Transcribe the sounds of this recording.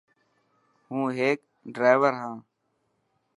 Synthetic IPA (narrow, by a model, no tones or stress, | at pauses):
ɦũːɦeːk̚ | ɖɾaːɪʋəɾɦãː